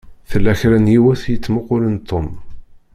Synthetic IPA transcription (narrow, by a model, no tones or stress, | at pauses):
θəlːæçɾænjiwæθjət͡sːmʊqʊlənt̪ʰːom